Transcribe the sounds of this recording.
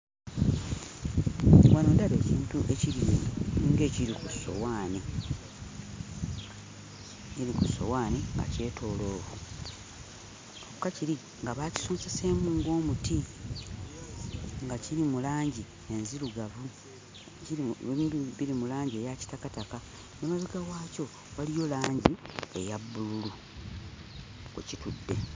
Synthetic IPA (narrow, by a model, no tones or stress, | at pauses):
wanoːdaβe̞ːciːntuʔe̞ciɾimniːŋɡe̞ːciɾikusːo̞̰waːni | iɾikusːo̞̰waːniŋɡa̰ce̞ːtʰo̞ːlo̞ːβu | oukaciɾi | ŋɡaβaci̥soːnsese̞ːmuːŋɡo̞ːmuti | ŋɡaciɾimulaːɲɟi | e̞nziluɡavu | iemiiβiɾimulaːɲɟie̞ːjaci̥takataka | nomaziɡawaːco̞ | walijo̞laːɲɟie̞jabːululu | ṵcitudːe̞